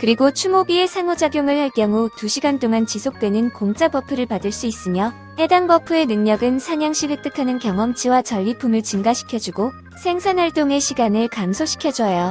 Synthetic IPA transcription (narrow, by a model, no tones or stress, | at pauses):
kɯɾiɡot͡ɕʰumobiesʰaŋod͡ʑaɡjoŋɯɭhaɭk͈jʌŋutuɕʰiɡant͈oŋant͡ɕisʰok̚t͈we̞nɯnkoŋt͡ɕ͈abʌpʰɯɾɯɭpadɯɭs͈uis͈ɯmjʌ | hedaŋbʌpʰue̞nɯŋɲʌɡɯnsʰaɲaŋɕ͈ʰiwe̞k̚t͈ɯkʰanɯnkjʌŋʌmt͡ɕʰiwat͡ɕʌʎːipʰumɯɭt͡ɕɯŋɡaɕʰi̥kʰjʌd͡ʑuɡo | sʰe̞ŋsʰanhaɭt͈oŋe̞ɕʰiɡanɯɭkamsʰoɕʰi̥kʰjʌd͡ʑʌjo